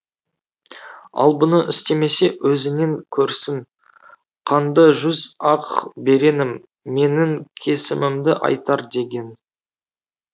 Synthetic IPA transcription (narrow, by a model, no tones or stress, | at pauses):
ɑ̰lˠbʊnəʔɪst̪e̞me̞se̞wɵzɪne̞ŋkʲʰɵɾsɪŋ | qʰɑnd̪ɑʒʏzɑqbe̞ɾe̞nɪmː | e̞nɪŋkʲʰe̞sɪmɪmd̪ɪʔɑ̰jt̪ɑɾd̪e̞ɡʲe̞n